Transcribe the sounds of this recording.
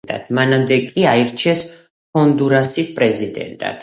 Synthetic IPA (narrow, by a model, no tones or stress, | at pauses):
a̰d̪̥manamd̪ɛkʼiaiɾt͡ʃʰɛs | hɔnd̪uɾasispʼɾɛzid̪ɛ̰nt̪ʼa̰t̪